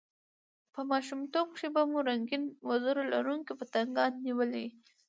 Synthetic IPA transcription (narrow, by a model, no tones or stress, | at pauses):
pəmɑʃumt̪oɡ̚kʃebamuɾaŋɡinwazaɾola̰ɾuŋkipət̪aŋɡɑnːiwəli